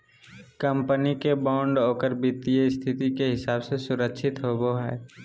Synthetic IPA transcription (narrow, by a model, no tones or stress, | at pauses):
kə̃mpənikebɔ̃ːɳɖoːkəɾbit̪ijəst̪ʰɪt̪ikeɦɪsaːbsesʊɾəkʃʰɪt̪ɦoːboɦɛː